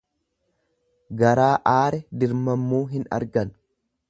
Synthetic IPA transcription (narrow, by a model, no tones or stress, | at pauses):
ɡɐɾaːʔaːɾɛd̪ɪɾmɐmːuːɦɪnɐ̰ɾɡɐn